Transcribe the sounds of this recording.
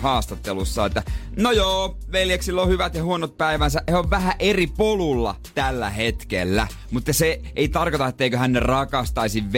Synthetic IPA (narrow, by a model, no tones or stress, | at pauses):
hɑːst̪ɑt̪ːelusːɑet̪ːænojoːʋeljeksilːohyʋæt̪jɑhuonot̪̚pæiʋænsæʔheoʋʋæhæʔeripolulːɑ̰ | t̪ælːæhet̪kḛlːæ̰ | mut̪ːɑse | eit̪ɑrkot̪ɑet̪ːeikøhænːerɑkɑst̪ɑisiʋʋ